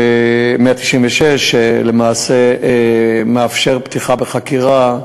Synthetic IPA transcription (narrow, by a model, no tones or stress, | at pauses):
meat̪i̥ʃimveʃeʃelemaːse | meafʃeʁpt̪iχabeχakiʁa